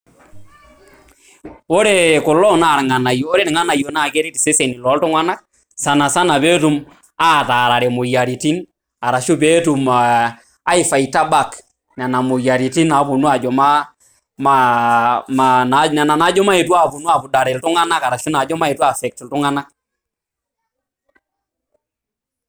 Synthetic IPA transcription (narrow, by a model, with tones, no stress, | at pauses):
o˦ɾe˦kʊ˨lɔ˦na˦˨ɾŋa˨na˨jo˨o˦ɾe˦nɪ˨ŋa˦na˨jo˨na˦˨ke˦ɾe˦ti˨se˦se˨ni˨lɔ˨˦ltʊ˦ŋa˦na˦k̚ | sa˨na˨sa˦na˨pe˦tu˨m | a˦taː˨ɾa˨ɾe˨mo˨ja˨ɾi˨ti˦n | a˨ɾa˨ʃu˦p̬e˦tu˨maː˨˦ | ɪ˦fa˨i˨ta˦ba˦˨k | na˨na˨mo˨ja˨ɾi˨ti˦na˨˦pu˨nu˦a˨d͡ʒɔ˨ma˦ | ma | manana˨na˨na˨˦d͡ʒɔ˦ma˦e˨twa˦˨pu˨nu˦a˨pʊ˨da˨ɾɛ˨ltʊ˦ŋa˦na˦ka˨ɾa˨ʃu˦na˨d͡ʒɔ˦ma˦e˨twa˦fɛ˨k̚ti˨ltʊ˦ŋa˦na˦k̚